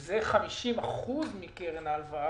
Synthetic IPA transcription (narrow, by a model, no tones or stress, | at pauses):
zeχamiʃimaχuzmikeʁenalva